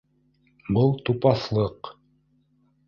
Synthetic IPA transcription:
bɤlˠt̪upɑθlˠɤq

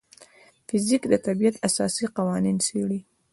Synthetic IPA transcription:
fɪzikd̪ət̪abijat̪asɑ̰siqawɑninseɽi

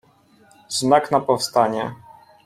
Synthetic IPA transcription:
znaknapɔfst̪aɲɛ

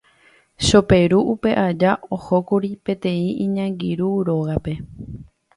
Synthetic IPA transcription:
ʃo̞pe̞ɾuʔupe̞ʔad͡ʒaohokuɾipẽ̞t̪ẽ̞ĩĩɲãŋɡiɾuɾo̞ɣape̞

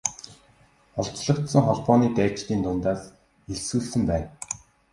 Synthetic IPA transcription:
ɔɮt͡ɕɮə̆χt̪sə̆ŋχɔɮpɔːniːt̪æːt͡ɕt̪iːnt̪ʊnt̪aːs | eɮsuːɮsɘ̆mpæːn

